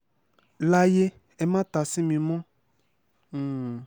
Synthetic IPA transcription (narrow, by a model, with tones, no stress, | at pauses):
la˦je˦ | ɛ˨mã˦t̪a˨sĩ˦mĩ˨mɔ̃˦˨